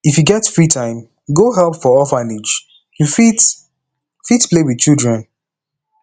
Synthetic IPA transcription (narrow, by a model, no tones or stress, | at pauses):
ifjuɡɛtfɹitʰãɪ̃m | ɡoɦɛlˠpfɔɔfanid͡ʒ | jufit | fitplewiðt͡ʃildɹɛ̃n